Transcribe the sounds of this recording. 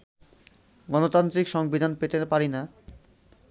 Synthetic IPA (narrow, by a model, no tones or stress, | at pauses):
ɡɔnot̪ant̪ɾikʃɔŋbid̪ʱanpet̪epaɾina